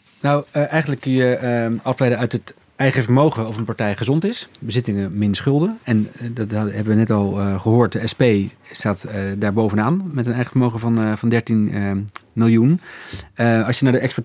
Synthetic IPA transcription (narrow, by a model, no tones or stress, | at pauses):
nɔwʔɛjχəndələkːɵnjəɑflɛjdənœɥtət | ɛjχəvəɹmowχəɔfənpɑɹtɛjχəzɔntɪsbəzɪtɪŋəmɪnsχɵlˠdəɛndɑtɦɛbəʋənɛtɑlˠχəɦoːɹt̚dəɛspejstaːtədaːɹbowvənaːnmɛtənɛjχəvəɹmowχəvɑnvɑndɛɹtin | mɪlˠjun | ɑlˠsjənaːɹdəɛkspə